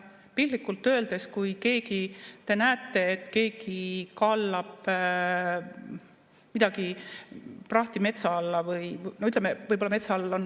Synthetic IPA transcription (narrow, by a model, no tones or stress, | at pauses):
pillikːˑult̪ːø̞ːld̪̥e̞skujke̞ːɡit̪e̞næːt̪ːˑe̞ːt̪ːke̞ːɡ̥ikɑlːɑb̥ | mid̪ɑɡ̥i | prɑht̪ime̞t̪sɑɑlːɑvɯjnoyt̪lɛemevɤjbolɑme̞t̪sɑɑlːon